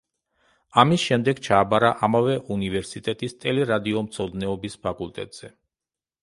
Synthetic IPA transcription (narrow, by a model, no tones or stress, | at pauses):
amisʃɛmd̪ɛɡt͡ʃʰaːbaɾaʔamavɛʔunivɛɾsit̪ʼɛt̪ʼist̪ʼɛlɛɾad̪iɔmt̪sʰɔd̪nɛɔbispʰakʼulˠt̪ʼɛ̰t̪ʼz̥ɛ